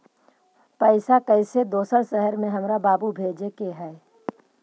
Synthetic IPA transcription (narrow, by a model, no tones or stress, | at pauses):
pəɪsakəɪsed̪oːsəɾsəɦəɾmẽɦɐmɾabaːbubʱeːd͡ʒekeɦɛː